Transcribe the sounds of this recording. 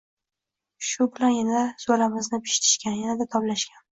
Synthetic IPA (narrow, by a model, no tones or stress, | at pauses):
ʃʊbɪlanjanad̪az̥olamɪznɪpʰɪ̥ʃt̪ʰɪ̥ʃkʲanjanad̪at̪ʰɒplaʃkʲan